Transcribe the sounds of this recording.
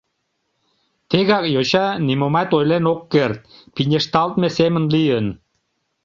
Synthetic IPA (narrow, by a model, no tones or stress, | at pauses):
t̪eɣɑkjoɕɑnimomɑt̪ojlenokːert̪̚pinʲeʃt̪ɑlˠt̪̚mesemə̆nlijən